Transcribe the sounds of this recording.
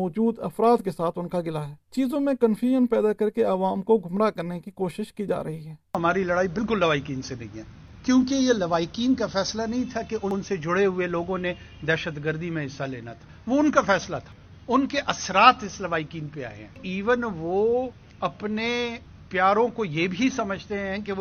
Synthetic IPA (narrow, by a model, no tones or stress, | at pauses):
ɔːd͡ʒuːd̪ɐfɾaːd̪kesaːt̪ʰʊnkaɡɪlaɦɛːt͡ʃiːzõmẽkənfʰjuːʒənpɛːd̪akɐɾkeaʋaːmkoɡʱʊmɾakɐɾnekikoːʃɪʃkid͡ʒa̰ːɾɐɦiɦɛːɦɐmaːɾilɐɽaːibɪlkʊlːɐʋaːɪkiːnsenɐ̰ɦĩɦɛː | kjõːkejelɐʋaːɪkiːnkafɛːslanɐɦĩt̪ʰakeʔʊnsed͡ʒʊɽeɦʊeloːɡõne | d̪ɛːʃət̪ɡəɾd̪ʱimẽɦɪsːalḛːna̰t̪ʰḁːʋoʊnkafɛːslat̪ʰḁː | ʊnkeʔɐsɾaːt̪ɪslɐʋaːɪkiːnpea̰ːḛɦɛ̰̃iːʋənʋo | ɐpne | pjaːɾõkojebʱisɐməd͡ʒʱt̪eɦɛ̃ke